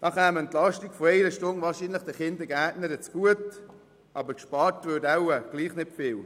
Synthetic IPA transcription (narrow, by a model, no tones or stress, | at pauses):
nɑχæːmənt̪lɑʃtiɡfoɛɪɾəʃtʊŋʋɑːɾʃiːnləχd̥əχɪnd̪əɡæːtnəɾət͡sɡ̥uət | ʔɑbəkʃpɑːɾtʋøːdaʊəɡ̥liːχnɪtfɪːl